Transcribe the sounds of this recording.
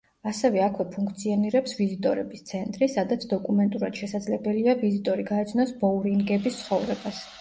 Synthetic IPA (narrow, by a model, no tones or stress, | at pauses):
asɛvɛakʰvɛpʰuŋkʰt̪sʰiɔniɾɛpsvizit̪ʼɔɾɛbist̪sʰɛnt̪ʼɾisad̪at̪sʰd̪ɔkʼumɛnt̪ʼuɾad̪̥ʃɛsad̪zlɛbɛliavizit̪ʼɔɾiɡaɛt̪sʰnɔsbɔɾinɡɛbist̪sʰχɔvɾɛbas